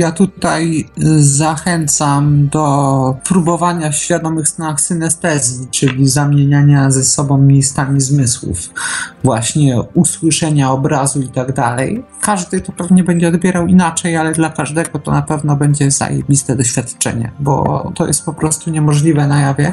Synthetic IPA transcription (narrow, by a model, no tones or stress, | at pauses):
jat̪ut̪ajzaxɛnt̪samd̪ɔpɾubɔvaɲafɕfʲjad̪ɔmɘxst̪anaxsɘnɛst̪ɛzʲjit͡ʂɘlʲizamʲjeɲaɲazɛsɔbɔ̃w̃mʲjejst̪amʲizmɘswṵfvwaɕɲɛuswɘʂɛɲaɔbɾazuit̪aɡd̪alɛj | kaʐd̪ɘt̪ɔpɛvɲɛbɛɲd͡ʑɛɔd̪bʲjɛɾawinat͡ʂɛjalɛd̪lakaʐd̪ɛɡɔt̪ɔ̰napɛvnɔbɛɲd͡ʑɛza̰jḛbʲist̪ɛd̪ɔɕfʲjat̪t͡ʂɛ̰ɲɛ̰bɔ̰t̪ɔjɛst̪̚pɔpɾɔst̪uɲɛmɔʐlʲivɛnajavʲjɛ